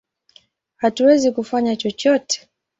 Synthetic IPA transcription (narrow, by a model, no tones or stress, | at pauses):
hatuwɛzikufaɲat͡ʃɔt͡ʃɔtɛ̥